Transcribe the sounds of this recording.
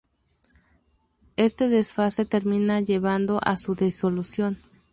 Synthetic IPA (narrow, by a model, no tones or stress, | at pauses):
e̞st̪eðesfaset̪eɾmĩnaʝeβand̪oʔasuðesolusjo̞n